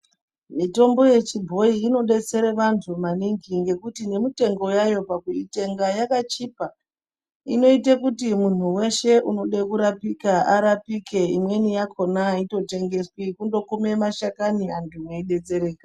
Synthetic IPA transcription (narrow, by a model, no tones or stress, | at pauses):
mito̞mbo̞je̞t͡ʃibʱo̞iːno̞ɗe̞t͡se̞ɾeʋantʰumaniŋɡiŋɡe̞kutine̞mite̞ŋɡo̞jajo̞pakuite̞ŋɡajakat͡ʃipa | ḭno̞itekutimun̤uwe̞ʃe̞ʔuno̞ɗekuɾapikaʔaɾapike̞imwe̞nijakʰo̞naito̞te̞ŋɡe̞swikundo̞kume̞maʃakaniantʰumeiɗe̞t͡se̞ɾeːka